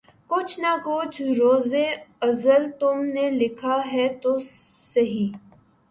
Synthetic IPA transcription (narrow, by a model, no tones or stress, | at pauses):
kʊt͡ʃʰnakʊt͡ʃʰɾoːzeɐzəlt̪ʊmnelɪkʰaɦɛt̪o | sɐɦiː